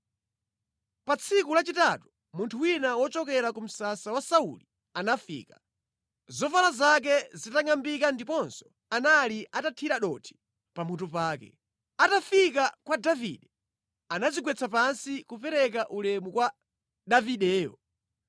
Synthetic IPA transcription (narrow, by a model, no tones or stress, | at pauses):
pat͡sʰikulat͡ʃitatu̥ | muntʰuwinawɔt͡ʃɔkɛɾakum̩sasawasaṵli | anafḭːkḁ | zɔfalazak̬ɛzitaŋambikandipɔnsɔ̥ | analiʔatatʰiɾaɗɔtʰi̥ | pam̤utup̬aːkɛ̰ | atafikakwadavḭɗɛ | anaziɡwɛt͡sʰapansikupɛɾɛk̬aʔulɛmukwa | ɗaviɗɛːjɔ̰